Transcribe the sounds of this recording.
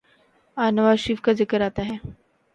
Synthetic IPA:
anʋaʃiːfkad͡zəkəɾat̪aɦe

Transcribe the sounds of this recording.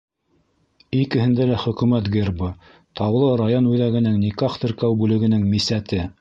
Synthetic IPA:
ikɘ̆hɘ̆nd̪ælæχɵ̆kʉmæt̪ɡerbɤ | t̪ʰɑwlˠɤɾajonʉðæɣɘ̆nɘŋnikɑχt̪ɘ̆ɾkæwbʉlɘ̆ɡɘ̆nɘŋmisæt̪ɘ

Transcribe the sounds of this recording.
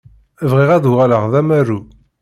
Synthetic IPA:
əvʁiʁæðuʁæləʁðæmæru

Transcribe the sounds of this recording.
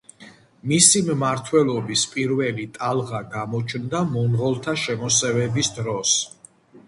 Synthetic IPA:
misimmaɾt̪ʰwɛlˠɔbispʼiɾvɛlit̪ʼalˠʁaɡamɔt͡ʃʰnd̪amɔnʁɔlˠt̪ʰaʃɛmɔsɛvɛbisd̪ɾɔs

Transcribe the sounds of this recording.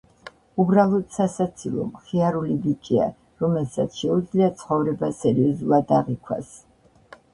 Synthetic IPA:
ubɾalˠɔt̪sasat̪sʰilˠɔ̰mχiaɾulibit͡ʃʼia̰ | ɾɔmɛlˠsat̪sʰʃɛud̪zliat̪sʰχɔvɾɛbasɛɾiɔzulˠad̪aʁikʰwa̰s

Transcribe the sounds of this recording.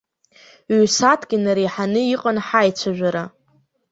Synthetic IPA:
ɥsatʰɡ̥ʲɪnaɾijħanɨiqʼanħajt͡ʃʷʰaʒᶣʷaɾa

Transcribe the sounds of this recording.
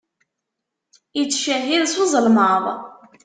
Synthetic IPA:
jət͡sːʃæɦiðsozˤəlməðˤ

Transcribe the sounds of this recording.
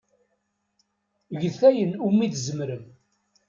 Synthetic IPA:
ʝθæjənumːiθzəmɾəm

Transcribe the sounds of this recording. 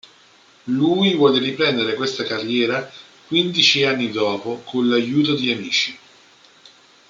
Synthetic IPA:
luːjvwɔːleripɾɛnd̪eɾekwest̪akarːjɛːɾa | kwind̪it͡ʃianːid̪ɔːpokʰonlːajuːt̪̬od̪iamiːt͡ʃi

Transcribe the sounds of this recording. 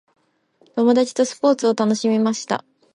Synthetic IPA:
t̪o̞mo̞d̪at͡ɕi̥t̪o̞sɨ̥po̞ːt͡sɨo̞t̪ano̞ɕimʲimaɕi̥t̪a̰

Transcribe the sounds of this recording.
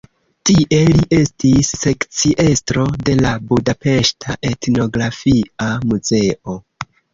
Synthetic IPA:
tiʔe̞liʔe̞stisːe̞kt͡siʔe̞stɾo̞de̞labudape̞ʃtʰaʔe̞tno̞ɡɾafiamuze̞o̞

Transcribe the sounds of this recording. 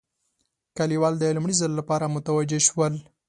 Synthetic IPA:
kaliwɑld̪əlumɽizəlːapɑɾamʊt̪awad͡ʒeʃwəl

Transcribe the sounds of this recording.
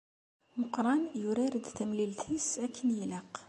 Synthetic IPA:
mʊqɾˤɑnjuɾæɾəd̪t̪əmlilt̪ʰisækʰːənjləq

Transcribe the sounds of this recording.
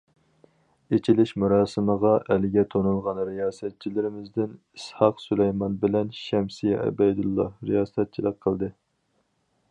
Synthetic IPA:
et͡ʃʰilɪʃmuɾɑːsɨməʁɑʔɛlɪɡʲɛt̪ʰonulˠʁɑnɾijɑːsɛt̪̚t͡ʃʰilɪɾɪmɪzd̪ɪn | ishɑqsulɛjmɑnbɪlɛnʃɛmsijɛʔɛ̰bɛjd̪ulˠːɑ̰ɾijɑːsɛt̪̚t͡ʃʰilˠəqqʰəlˠd̪ɨ

